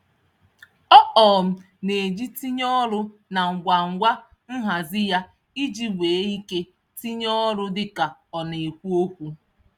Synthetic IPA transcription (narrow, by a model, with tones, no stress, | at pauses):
ɔ˦ʔɔː˨m̩˨ | ne˨d͡ʒi˦ti˦ɲɔ˦ɾʊ˦na˨ŋ̩˨ɡʷa˨ŋ̩˨ɡʷa˦ | m̩˦ɦa˨zɪ˦ja˦ | i˦d͡ʒi˦wʷeː˨e˦i˦ke˦ | ti˦ɲɔ˦ɾʊ˦dɪ˦ka˨ɔ˨ne˨e˨kʷu˦o˦kʷu˦